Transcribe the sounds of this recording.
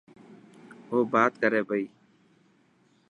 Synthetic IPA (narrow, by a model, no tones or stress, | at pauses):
ɦoːbaːt̪kəɾeːbʱəiː